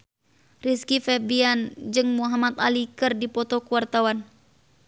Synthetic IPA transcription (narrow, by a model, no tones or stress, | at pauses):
riskifɛbiand͡ʒɨŋmuɦamat̪alikɨrdipɔt̪ɔkuwart̪awan